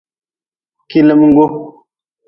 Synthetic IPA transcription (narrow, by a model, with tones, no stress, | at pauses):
ki˦lə˦˨m˦ŋ˦ɡo˦